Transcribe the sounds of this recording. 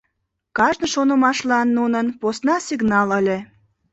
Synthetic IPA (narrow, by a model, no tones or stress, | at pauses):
kɑʒnɤ̆ʃonə̆mɑʃlɑnːunənposnɑsʲiɡnɑləlʲĕ